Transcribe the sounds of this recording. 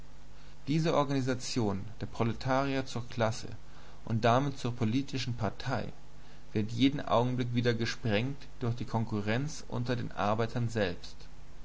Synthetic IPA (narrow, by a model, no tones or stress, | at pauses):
d̥iːzəʔɔɐɡanizat͡sjoːnd̥eːɐpʁ̥oletʰaːʁiɐt͡suːɐkʰl̥asə̰ | ʔʊ̰nt̚d̥amɪtt͡suːɐpʰoliːtʰɪʃn̩pʰaɐtʰaɪ | vɪɐtjeːdn̩ʔa̰ʊɡŋ̩blɪk̬v̥iːdɐɡəʃpʁ̥ɛŋtd̥ʊɐçd̥iːkʰɔŋkuʁɛnt͡sʔʊ̰ntɐdḛːnʔa̰ɐbaɪtʰɐnzɛlpst